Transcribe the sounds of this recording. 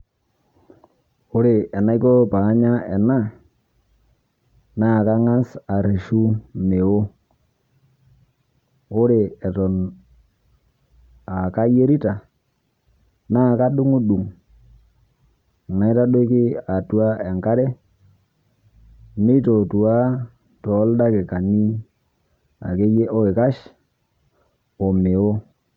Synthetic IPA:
ʊ˦ɾe˨ɛ˨na˦i˦kɔ˦pa˨˦ɲa˦ɛ˨na˦ | na˦˨ka˦ŋa˦sa˨ɾe˨ʃu˦me˨wo˦ | o˦ɾe˨ɛ˨tɔ˨n | a˨ka˦je˦ɾi˦ta˨ | na˦˨ka˦ɗu˦ŋu˦ɗu˨ŋ˨ | ma˨i˦ta˦do˦ki˦a˨tu˨a˦e˨ŋka˦ɾe˦ | mi˦to˨tu˨a˦ | tɔ˨˦lda˦ke˨ka˨nːi˦ | a̰˨ke˦je˦o˦e˨ka˦ʃ | o˨me˨wo˦

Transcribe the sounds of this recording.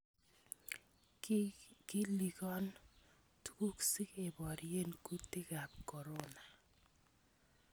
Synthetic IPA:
ki˦li˨kɔ˦n | tu˦ku˦ksi˦ke˨bɔ˨ɾije˦nku˦ti˦ka˨p̚kɔ˨ɾo˦na˨

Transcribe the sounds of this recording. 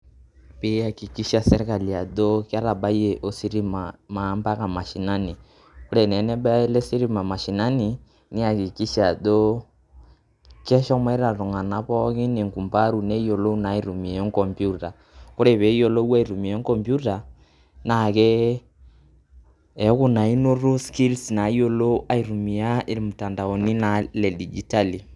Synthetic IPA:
pi˦a˨ki˨ki˦ʃa˦sɛ˦ɾɛ˦ka˨li˨a˨do˦ka˦ɾa˨ɓa˦i˦ɛ˨ʔo˦si˦ɾi˦mama˨˦mba˦ka˨ma˨ʃi˨na˦ni˨ | ku˦ɾɛ˨nɛ˨˦nɛ˦ɓa˦ɛ˦lɛ˦si˦ɾi˦ma˨ma˨ʃi˨na˦ni˨ | ni˦a˨ki˨ki˦ʃa˨d̪o˦ | kɛ˦ʃɔ˦mwɛ˦ɾa˨ɾu˨ŋa˨na˨pɔ˦ɣi˦ne˨ŋku˨mpa˦ɾu˨nɛ˦i˦o˨lo˦u˦na˨˦i˦ɾu˨mi˨ɛ˦ŋ˦kɔ˨mpju˦ta˨ | ko˦ɾɛ˨βɛ˨˦i˦ɔ˨lo˦wa˦i˨ɾu˨mi˨ɛ˦ŋ˦kɔ˦mbju˦ta˨ | na˨kɛ˦ | ɛ˨˦ku˦na˨i˦no˦ɾo˦ski˦lsna˨i˦o˦lo˦a˦i˨ɾu˨mi˨a˦i˦ɾi˨mu˨ta˨nda˨o˨ni˦na˨lɛ˨di˨d͡ʒi˨ta˦li˨

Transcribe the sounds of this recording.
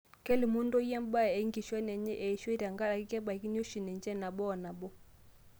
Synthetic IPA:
kɛ˦li˨mu˦ndɔ˦jɛ˦m˦ba˦˨ɛ˨˦ŋɡi˨ʃwɛ˦nɛ˨ɲɛ˦ʔɛ˨ʃɛ˦ɾa˨ŋɡa˦ɗa˨ki˦kɛ˦ba˨ki˦n˦o˦ʃi˨nɛ˨nd͡ʒɛ˦˨na˨ɓɔ˦˨na˨bɔ˦

